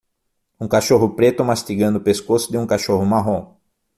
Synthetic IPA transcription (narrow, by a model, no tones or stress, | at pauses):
ũkaʃoɦʊpɾet̪ʊmast̪iɡɐ̃nd̪ʊpeskosʊd̪ɪũkaʃoɦʊmaɦõ